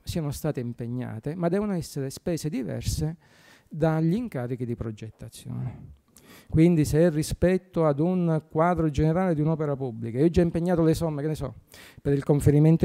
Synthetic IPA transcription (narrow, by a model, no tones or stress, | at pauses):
siːanost̪aːt̪eimpeɲːa̰ːt̪emad̪ːɛːvonoɛsːeɾespɛːsed̪ivɛ̰rse | d̪aʎːiŋkaːɾik̟id̪ipɾod͡ʒet̪ːat̪sːjɔ̰ːne | kwind̪iseɛrːispɛt̪ːoad̪unkwaːd̪ɾod͡ʒeneɾaːled̪iunɔːpeɾapubːlikaiːod͡ʒːaimpeɲːaːt̪olesɔmːekenesɔ̰peɾilkoɱfeɾiment̪